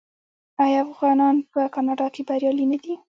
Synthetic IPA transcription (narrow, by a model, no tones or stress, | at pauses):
ajɑafɣɑnɑnpəkɑnɑɖɑkebaɾjɑlinad̪i